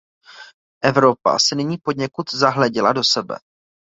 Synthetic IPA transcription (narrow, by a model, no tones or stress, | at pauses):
ʔɛvɾo̞pa̰sɛnɪɲiːpo̞dɲɛkut̪zaɦlɛɟɪlado̞sɛbɛ̰